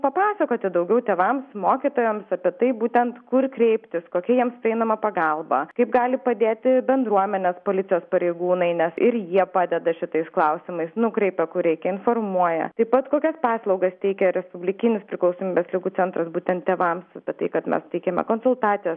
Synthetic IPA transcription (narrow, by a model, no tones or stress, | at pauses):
pɐpɑːsɐkoːt̪ʲɪd̪ɐʊɡʲɛʊt̪ʲeːʋɐmsmoːkʲit̪oːjɛmsɐpʲiɛt̪ɐɪbuːt̪ʲɛnt̪kʊrkɾʲɛɪpʲt̪ʲɪskoːkʲɛjiɛmspʲɾʲɪɛɪnɐmɐpɐɡɐlˠbɐ̰kɐɪpɡɑːlʲɪpɐd̪ʲeːt̪ʲɪbʲɛnd̪ɾuɔmʲɛnʲɛspoːlʲɪt͡s̪ʲɪjoːspɐɾʲeɪɡuːnɐɪnʲɛsɪɾjiɛpɑːd̪ʲɛd̪ɐʃʲɪt̪ɐɪsklˠɐʊsʲɪmɐɪsnʊkɾʲɛɪpʲɛkʊrɾʲɛɪkʲɛɪnformuɔjɛ̰t̪ɐɪpɐt̪koːkʲɛspɑːslˠɐʊɡɐst̪ʲɛɪkʲɛɾʲɛspʊbʲlʲɪkʲɪnʲɪspʲɾʲɪklˠɐʊsoːmʲiːbʲɛslʲɪɡuːt͡ssʲɛnt̪ɾɐsbuːt̪ʲɛnt̪̚t̪ːʲeːʋɐmsɐpʲɛt̪ɐɪkɐt̪mʲɛ̰st̪ɐɪkʲɛmʲɛ̰koːnsʊlˠt̪ɑːt̪t͡s̪ʲɪjɛːs